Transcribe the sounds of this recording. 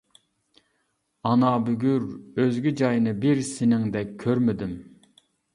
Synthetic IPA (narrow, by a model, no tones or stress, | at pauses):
ɑnɑbyɡʲyɾøzɡʲid͡ʒɑjnɨbɪɾsɪnɪŋd̪ɛkʲʰːøɾmɪd̪ɪm